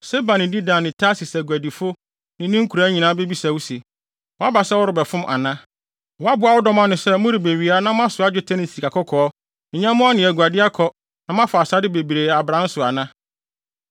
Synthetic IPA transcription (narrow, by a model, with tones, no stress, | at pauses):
se˦bã˨nɪ̃˨di˦dã˨nɪ̃˨tʰa˦si˨sæ˨ɡæ˨di˨fʊ˦ | nɪ̃˨nɪ̃˦ŋ̩˦kʰu˨ɾa˦ɲĩ˨nãː˦be˦bi˦sa˨wu˦si˨ | wɔ˨a˦ba˨sɛ˦wɔ˦ɾʊ˨bɛ˨fʊ̃˦mʔa̰˨nã˦ | wɔ˨˦a˦bʊ˦a˨wɔ˦dɔ˦mã˦nʊ̃˨sɛ˦mʊ̃˦ɾɪ˨be˨ɥi˨a˦nã˦m˦ã˦sʊ˨a˦d͡ʑᶣɪ˦tʰɛ˦nɪ˨si˨ka˨kʰɔ˦kʰɔ˨ɔ˦ | ɪ̃˨ɲã˦mʊ̃˦a˦nɪ̃˨æ˨ɡu˨a˨dɪ˦a˦kʰɔ˨ | nã˨mã˦fa˨a˨sa˦dɪ˦be˨bi˨ɾe˨a˨bɾã˦n˦sʊ˨a˨nã˦